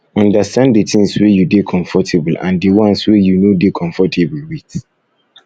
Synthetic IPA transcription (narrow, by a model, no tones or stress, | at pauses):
ɔ̃ndastʰãndetʰɪ̃ŋswejudekʰɔ̃ɱfɔtʰebl̩ã̰ndewɔ̃nswejunodekʰɔ̃ɱfɔtʰeblwit